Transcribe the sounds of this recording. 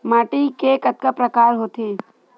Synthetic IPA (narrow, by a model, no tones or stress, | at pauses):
maːʈikekɐt̪̚kəpɾɐkaːɾɦoːt̪eː